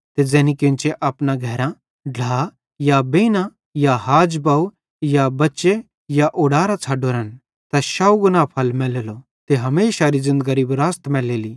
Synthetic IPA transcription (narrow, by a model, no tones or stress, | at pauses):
t̪ed͡zɛːnikɪ̃nt͡ʃeʔɐpnaɡʱɛːɾã | ɖʱlaː | jabeːnã | jaɦaːd͡ʒbaːu | jabɐtːʃe | jaʔoːɽaːɾat͡sʰaːɖoɾɐn | t̪ɛʃaːuɡʊnaːpʰɐlmɛːlelo | t̪eɦɐmeːʃaɾizɪ̃nd̪ɡɐɾiːbɾaːst̪mɛːleːli